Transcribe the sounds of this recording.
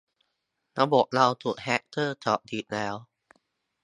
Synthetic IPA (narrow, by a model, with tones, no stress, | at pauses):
na˦˧wbo˨˩k̚la˧wt̪ʰu˨˩k̚hɛ˦˥k̚t̪ʰɤː˥˩t̪ʰɔː˨˩k̚d̪i˨˩t̪̚lɛː˦˥w